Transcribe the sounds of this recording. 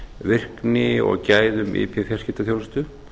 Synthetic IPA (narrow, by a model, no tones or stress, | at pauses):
vɪr̥knɪɔ̰ɣcaːjðʏmʔɪ̰pʰɛfjar̥scɪt̪aθjowlst̪ʏ